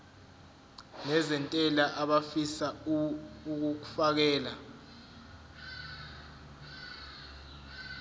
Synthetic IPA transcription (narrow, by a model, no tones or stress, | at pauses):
nɛzɛntʼɛlaʔaɓafisa | uk̬uk̬ufak̬ɛːla